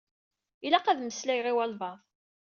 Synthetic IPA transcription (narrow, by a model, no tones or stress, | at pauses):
ilæqæðməslæjʁiwælvɑðˤ